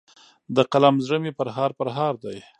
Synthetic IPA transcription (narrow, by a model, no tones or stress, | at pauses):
d̪əqalamzɾəmipəɾɦɑɾpəɾɦɑɾd̪aj